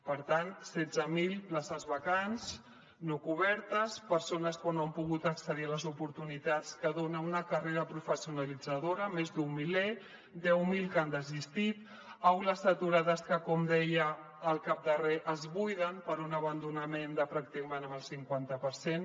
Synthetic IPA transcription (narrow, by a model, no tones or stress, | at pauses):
pəɾt̪ansɛd͡zəmilˠplasəzβəkans | nokuβ̞ɛɾt̪əspəɾsonəskanoəmpuɣut̪əksəðiələzupuɾt̪unit̪at͡skəðonəunəkəreɾəpɾufəsiunalid͡zəðoɾəmezd̪umːile | d̪ɛwmilˠkand̪əzist̪it̪ | awləsət̪uɾaðəskəkɔmd̪ɛjəː | lˠkap̚d̪əreʔəzβujðənpəɾunəβənd̪unəmend̪əpɾak̚t̪ikəmenəməlˠsiŋkwant̪əpəɾsen